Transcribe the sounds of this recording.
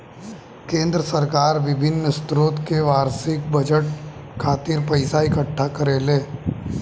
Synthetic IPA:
kẽːnd̪ɾəsəɾkaːɾʋɪbʱɪnːst̪ɾoːt̪keʋaːɾsɪk̚bɐd͡ʒəʈ̚kʰaːt̪ɪɾpɐɪsaɪkəʈʰːakəɾeːleː

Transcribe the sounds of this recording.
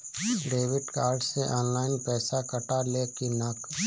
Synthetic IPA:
ɖeːʋɪɖkaːɾɖseʔɔ̃ːnlaːɪnpɛːsakɐʈaleːkinak

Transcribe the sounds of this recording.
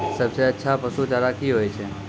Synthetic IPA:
səb̚t͡ʃeətːʃʰapəsut͡ʃaɾakʰiɦojt͡ʃʰe

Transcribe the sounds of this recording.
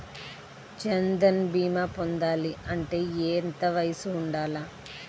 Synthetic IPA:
t͡ʃɐnd̪ɐnbiːmaːpond̪aːliɐɳʈe̞ːeːnt̪ɐʋɐjɐsuːɳɖaːlaː

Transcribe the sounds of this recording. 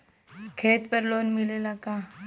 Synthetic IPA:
kʰeːt̪pəɾloːnmɪlelaka

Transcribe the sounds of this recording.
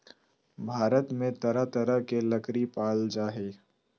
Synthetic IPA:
bʱaːɾət̪mẽt̪ɐɾət̪ɐɾəɦkelɐkɾipaːld͡ʒaːɦeː

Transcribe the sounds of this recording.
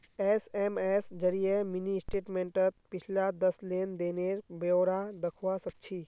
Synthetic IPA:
ɛːsɛːmɛːsd͡ʒɐɾijemɪnisʈeːʈmẽɳʈət̪̚pɪt͡ʃʰlad̪ɐsleːnd̪eːneɾboːɾad̪ɐkʰwasəkt͡ʃʰiː

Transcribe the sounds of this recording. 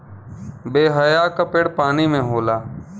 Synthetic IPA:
beːɦəjaːkəpeːɽpaːniːmẽːɦoːlaː

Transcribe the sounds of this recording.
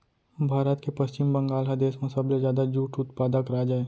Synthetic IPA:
bʱaːɾət̪kepɐst͡ʃɪmbɐ̃ŋɡaːlɦad̪eːsmẽsɐblezjaːd̪ad͡ʒuːʈʊt̪paːd̪akɾaːd͡ʒaeː

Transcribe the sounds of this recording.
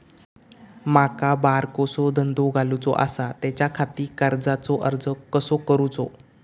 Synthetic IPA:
makabaɾkosɔd̪ʱənd̪oɡʱalut͡sɔ̰ʔa̰sat̪jat͡ɕjakʰat̪iːkəɾd͡zat͡sɔʔəɾd͡zəkəsokəɾut͡sɔ

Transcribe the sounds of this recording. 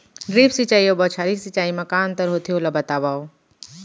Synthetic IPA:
ɾiːpsit͡ʃaːiobɐt͡ʃʰaːɾisit͡ʃaːimɐkaːnt̪ɐɾɦot̪ʰiolɐbɐt̪aːʋaːo

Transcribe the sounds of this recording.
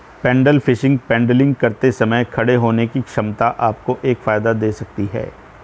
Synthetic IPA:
pɛ̃ːɳɖəlfɪʃɪ̃ŋɡ̚pɛ̃ːɳɖəlɪ̃ŋɡkɐɾt̪esɐməjkʰɐɽeɦoːnekikʃɐmt̪aʔaːp̚koʔeːkfaːjd̪ad̪eːsɐk̚t̪iɦɛ̰ː

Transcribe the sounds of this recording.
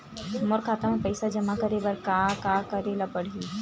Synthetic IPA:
mɔɾkʰaːt̪amãpɐɪsad͡ʒɐmakɐɾebɐɾkaːkaːkɐɾelapɐɽ̤iː

